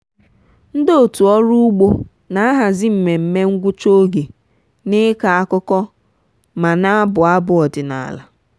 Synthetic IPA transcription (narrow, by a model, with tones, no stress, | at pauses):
n̩˦do˦o˨tu˨ɔ˦ɾu˦u˦ɡ͡bo˦ | na˨˦a˦ɦa˨zɪ˦m̩˨me˨m̩˨me˦ŋ̩˦ɡʷʊ˦t͡ʃo˦ɡe˨ | nɪ˦ka˨a˦kʊ˦kɔ˦ | ma˨na˦a˦bʊ˨a˦bʊ˦ɔ˨dɪ˨na̰˨la̰˨